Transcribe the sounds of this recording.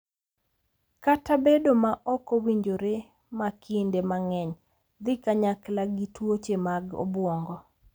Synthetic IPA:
katabedomaʔɔkɔwiɲd͡ʒoɾe | makʰɪndemaŋɛɲ | d̪ɪkaɲaklaɡitwot͡ʃemaɡo̰bwɔŋɡɔ

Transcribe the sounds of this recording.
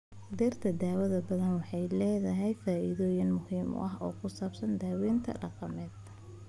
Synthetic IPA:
d̪ɛrt̪ʰɐd̪aːwɐðɐbɐðɐnwɑħɑjlɛːðɐɦɛjfaːʔiðɔːjɪnmʊhiːm̰ʔɐɦɔ̰ːkʰʊsaːbsɐnd̪aːwiːnt̪ʰɐ̰ɖɑqɑmɛːd̪

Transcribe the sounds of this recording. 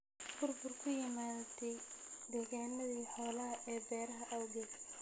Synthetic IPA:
b̥ʊrbʊrkʰʊjɪmaːd̪ʰɛjd̪ɛːɣaːnɐðiːħɔːlɐɦɐʔɛːbɛːɾɐɦɐʔɐwɡɛːs

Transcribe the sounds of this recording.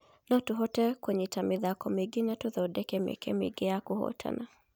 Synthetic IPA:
nɔtʊɦɔtɛkwɛɲɛtamɪðakɔmɪɡɪnatʊðɔdɛkɛmɛ̰kɛ̰mḭɡɛakʊhɔ̰tʰa̰na

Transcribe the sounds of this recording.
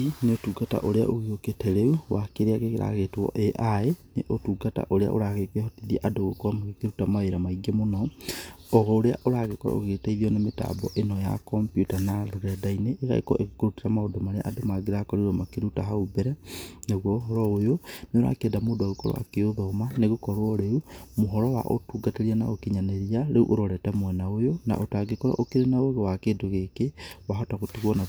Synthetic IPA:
ineotuɡata̰ʔoɾea̰ʔoɣeoketʰɛɾeuwakeɾeaɣeɣeɾa̰ɣetɔ̰ʔeʔaeneʔotuɡata̰ʔoɾea̰ʔo̰ɾaɣekehɔtiðiaʔadoɣokoamaɣekeɾutamaeɾamaiɡemonɔ | ɔɣɔoɾea̰ʔoɾaɣekɔ̰o̰ɣeteiɣiɔnemeta̰bɔʔenɔja̰kɔmpjutanaɾoɾɛdaineʔːɣa̰ḛkɔ̰ʔeɣekoɾutiɾamaodɔmaɾeʔadomaɡeɾakɔɾiɾɔmakeɾutaɦaubɛɾɛneɣwɔɦɔɾɔojoneoɾa̰kedamoːdaɣokɔɾɔ̰wa̰keoðɔmaneɣokɔɾwɔɾeumoɦɔɾɔwa̰ʔo̰tuɡateɾiana̰okeɲaneɾiaɾeṵʔoɾoɾɛtamwɛnaojona̰ʔotaɡekɔɾa̰ʔokeɾenaoɣewakedoɣekewaɦɔtaɣotiɣɔna

